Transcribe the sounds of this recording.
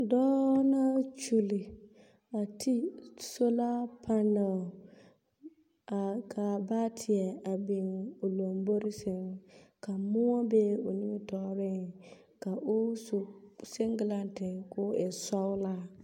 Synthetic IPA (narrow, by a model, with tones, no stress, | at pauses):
dɔː˦na˦t͡ʃu˨li˨ | a˨tʰi˦so˦la˦pʰa˦na˨ | a˨ka˨ba˦tʰɪ˨ɛ˨a˨bɪ˨ŋo˨lo˨mbo˦ɾɪ˦sɪ˨ŋka˨mʊ˦ɔ˦be˦o˨nɪ˦mɪ˦tɔ˦bɪ˦ŋ | ka˨ʔʊ˦su˨se˦ŋɡɪ˨la˦ntɪ˨ŋkʊ˦ɛ˨sa˦ʊ˦la˦